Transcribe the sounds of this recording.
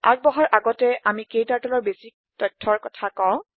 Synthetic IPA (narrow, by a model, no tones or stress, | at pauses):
a̰k̚bɔɦɔɹʔaɡɔtɛʔamikejtaɹtɔlɔɹbesik̚tɔjtʰːɔɹkɔtʰakãʊ̃